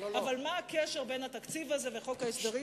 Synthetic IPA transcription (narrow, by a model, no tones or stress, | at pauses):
oavalmaːkeʃeʁbe̞jnat̪akt͡sivaze̞ve̞χo̞khaesd̪aʁi